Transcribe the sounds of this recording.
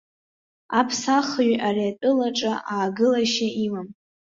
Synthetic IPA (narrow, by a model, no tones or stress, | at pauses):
apʰsaχɥariatʼɨlaʈ͡ʂʼaʔaːɡɨlaʃaimam